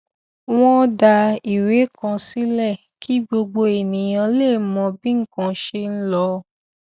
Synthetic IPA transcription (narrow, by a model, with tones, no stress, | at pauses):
w̃ɔ̃˦da˧i˨ɾe˨˦kã˧si˦lɛ˦˨ | kʰi˨˦ɡ͡bo˧ɡ͡bo˧e˨nĩ˨j̃ã˧le˦˨˦mɔ̃˧bĩ˦ŋ̩˦˨kã˨˦ʃe˧n̩˦lɔ˧˦